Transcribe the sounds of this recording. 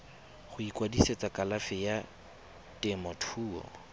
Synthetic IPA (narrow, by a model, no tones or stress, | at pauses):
χʊikwadiset͡sakʼalafɪja | tʼɛmɔtʰuːɔ̰